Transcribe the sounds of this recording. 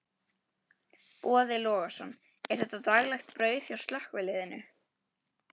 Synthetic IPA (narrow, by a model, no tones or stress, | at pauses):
pɔːðɪlɔːɣasɔnː | ɛɾ̥θɛht̪ːat̪aɣlɛxt̪pɾœːɥθjawst̪lahkvɪlɪðɪnʏ̰